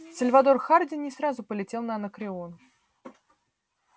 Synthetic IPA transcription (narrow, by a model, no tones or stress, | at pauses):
səlʲvɐd̪o̞rxardʲɪnʲɪsɾazʊpəlʲɪtʲe̞lˠnəɐɐnəkɾʲɪon